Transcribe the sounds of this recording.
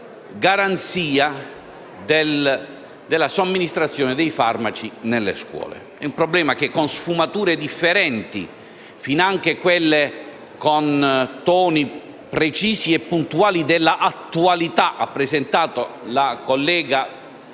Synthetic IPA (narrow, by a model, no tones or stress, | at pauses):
ɡaɾant̪siːa | d̪el | d̪elːasomːinist̪ɾat̪sːjɔːned̪ɛjfarmat͡ʃinelːḛskwɔ̰ːlḛ | ɛumpɾɔblɛːmak̟ekːonsfumat̪uːɾed̪ifːeɾɛnt̪ḭ | finaŋk̟ekwelːe | kont̪ɔːni | pɾet͡ʃiːsiɛpːunt̪uaːlid̪ɛlːaʔat̪ːualit̪aʔapːɾesent̪aːt̪olakolːɛːɡa